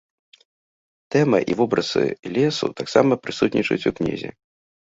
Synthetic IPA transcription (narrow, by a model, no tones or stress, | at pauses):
t̪ɛmɐʔivɔbɾɐsɨ̰lʲɛsṵt̪aksamɐpɾɨsut̪nʲit͡ʂɐ̰t͡sʲuknʲḭzʲɛ̰